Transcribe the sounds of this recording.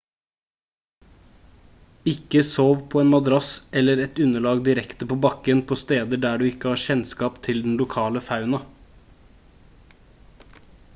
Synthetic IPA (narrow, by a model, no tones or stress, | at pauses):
ɪkəsoːʋpʰoːeːnmɑd̪ɾɑsɛləɾɛt̪ʉnəɭɑːɡd̪ɪɾɛkt̪əpʰoːbɑkənpʰoːst̪eːd̪əɖæːɖʉːɪkəhɑːçɛnskɑːpt̪ʰɪld̪n̩lʊkʰɑːləfɑʉnɑ